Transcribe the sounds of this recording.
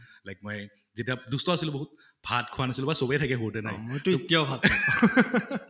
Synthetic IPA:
lajk̚moj | zetiadustɔasilʊboɦut̚ | bʱat̚kʰʊwanasilʊbasobɛjtʰakɛɦotɛnajmojtʊitijawbʱat

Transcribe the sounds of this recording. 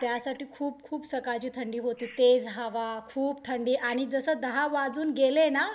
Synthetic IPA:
t̪jasaʈiːkʰuːp̚kʰuːpsəkat͡ɕiːt̪ʰəɳɖiːɦot̪iːt̪ed͡zɦaʋakʰuːpt̪ʰəɳɖiːʔaɽ̃id͡zəsəːd̪əɦaʋad͡zuːnɡelena

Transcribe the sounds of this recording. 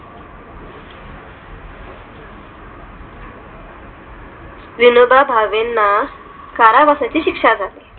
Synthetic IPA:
ʋinobabʱaʋenːa | kaɾaʋasat͡ɕiːɕikʂad͡zat̪e

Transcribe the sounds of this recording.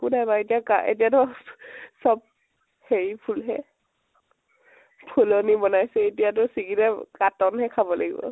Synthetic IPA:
kunajbaetijaka̰ḛtijatʊ | sɔb̚ | heɹipʰulɦɛ̰ | pʰulɔnibɔnajsɛetijatʊsiɡitɛkatɔnhɛkʰabɔlaɡḭbɔ̰

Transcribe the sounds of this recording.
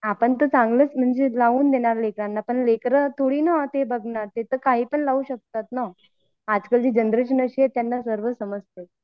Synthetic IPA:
apəɳt̪ət͡sãŋɡlət͡sm̤əɳd͡zelaʋuːnd̪eɽ̃aɾlekɾanːapəɳlekɾət̪ʰoɽiːnat̪ebʱəɡɳaɾt̪et̪əkaɦiːpəɳlauːɕək̚t̪at̪na | ad͡zkəld͡ʑiːd͡ʑənd̪ɾəɕənəɕiɦet̪janːasəɾʋəsəməd͡zt̪e

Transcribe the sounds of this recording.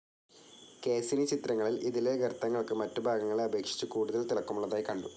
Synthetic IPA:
ke̞ːsinɨt͡ɕit̪rɐŋːɐɭiliðileɡʱɐrt̪ːɐŋːɐɭkɨmɐtːɨbʱaːɡɐŋːɐɭeɐbʱe̞ːkʂi̥t͡ɕːukuːɽuðɐlt̪ilɐkːumuɭːɐðaːjkɐɳɖu

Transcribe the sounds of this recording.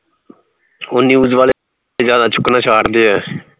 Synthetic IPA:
ʊnːiːuːd͡ʒʋaːle | eːzjaːd̪aːt͡ʃʰʊkːnãːt͡ʃʰaːɽd̪iːɦɛː

